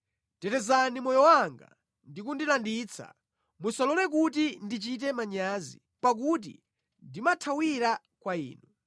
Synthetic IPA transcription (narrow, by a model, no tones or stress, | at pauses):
tɛtɛzanimɔjɔwaŋɡa̰ | ndikundilandiːt͡sʰa̰ | musalɔlɛk̬utindit͡ʃit̬ɛmaɲaːzḭ | pak̬ut̬ḭ | ndimatʰawiɾa | kwaḭːnu